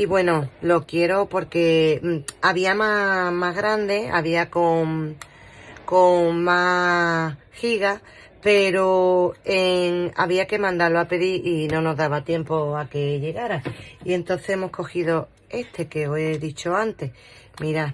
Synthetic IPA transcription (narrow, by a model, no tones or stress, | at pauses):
iβwe̞no̞lo̞kje̞ɾo̞po̞ɾke̞ | aβiamamaɦɣɾand̪e̞a̰βiakoŋ | koŋma | hiɣa | pe̞ɾoeŋa̰βiake̞mãnd̪aɾloape̞ðiʔinõ̞no̞ɦðaβat̪je̞mpoake̞ʎe̞ɣaɾaie̞nt̪o̞nθeemo̞hsko̞xiðo̞ | e̞st̪ʰe̞ke̞oe̞ðit͡ʃoant̪e̞ | miɾa